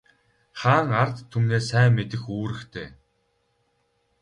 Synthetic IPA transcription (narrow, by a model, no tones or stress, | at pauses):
χaːŋart̪ʰːumneːsæːmet̪ɘ̆xuːɾɘ̆kt̪ʰḛː